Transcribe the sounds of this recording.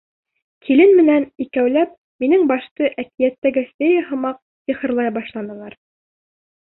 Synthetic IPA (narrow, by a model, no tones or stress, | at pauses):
kʰilɘnmɘ̆nænikæwlæp̚ | minɘŋbɑʃt̪ɤʔækijæt̪ːæɡæst̪ejæɦɤ̆mɑq̚ | siχɤ̆ɾlˠɑjbɑʃlˠɑnɤ̆lˠɑɾ